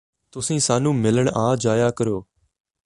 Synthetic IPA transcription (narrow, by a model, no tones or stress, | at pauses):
t̪ʊsĩːsaːnũːmɪləɳʔãːd͡ʒaːjaːkəɾoː